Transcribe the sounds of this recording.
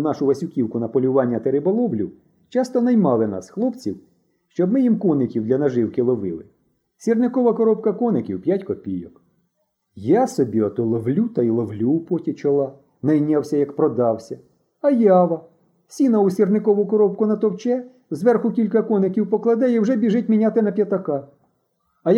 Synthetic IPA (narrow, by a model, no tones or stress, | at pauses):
unɑʃʊʋɐsʲʊkʲiwkʊnɐpɔlʲʊʋɑnʲːɐt̪eɾɪbɔlˠɔwlʲʊ̰ | t͡ʃɑst̪ɔnɐjmɑlˠɪnɑ̰sxlˠɔpt͡sʲiw | ʃt͡ʃɔbmɪjimkɔnɪkʲiwd̪lʲɐnɐʒɪwkɪlˠɔʋɪlˠɪ̰ | sʲirnɪkɔʋɐkɔɾɔp̚kɐkɔnɪkʲiwpʲjatʲkɔpʲijɔk | jasɔbʲiɐt̪ɔlˠɔʋlʲut̪ɐilˠɔwlʲupɔtʲit͡ʃɔlˠɑ | nɐjnʲawsʲɐjɐkpɾɔd̪ɑwsʲɐ | ɐjɑʋɐ | sʲinɐʊsʲirnɪkɔʋʊkɔɾɔp̚kʊnɐt̪ɔwt͡ʃɛ | zʋɛrxʊkʲilʲkɐkɔnɪkʲiwpɔklˠɐd̪ɛiwʒɛbʲiʒɪt̚ʲmʲinʲat̪ɪnɐpʲjɐt̪ɐkɑ | ɐj